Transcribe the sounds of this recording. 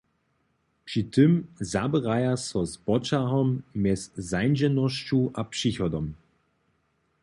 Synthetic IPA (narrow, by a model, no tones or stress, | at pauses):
pʂitʰɪmzabəʁajasɔzbɔt͡ʃaɦɔmːɛszajnd͡ʑɛnɔɕt͡ɕuʔapʂiçɔd̪ɔm